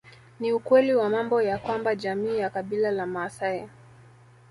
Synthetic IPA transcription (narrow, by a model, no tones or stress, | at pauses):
niukwɛliwamambɔjakwambaʄamiːjakaɓilalamaːsaɛ